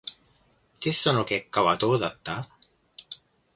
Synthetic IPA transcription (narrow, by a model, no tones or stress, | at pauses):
t̪est̪ono̞ke̞kːaβad̪o̞ːd̪at̪ːa